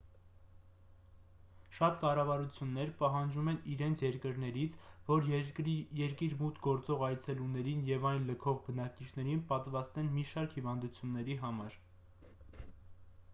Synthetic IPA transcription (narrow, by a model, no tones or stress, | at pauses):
ʃɑt̪kɑrɑvɑɾut͡sʰjunːɛɾpɑɦɑnd͡ʒumɛniɾɛnt͡sʰjɛɾkəɾn̪ɛɾit͡sʰvɔɾjɛɾkiɾmut̪ɡɔɾt͡sɔʁɑjt͡sʰɛlunɛɾinjɛvɑjnləkʰɔʁbənɑkit͡ʃʰnɛɾinpɑt̪vɑst̪ɛnmiʃɑɾkhivɑnd̪ut͡sʰjunːɛɾiɦɑmɑɾ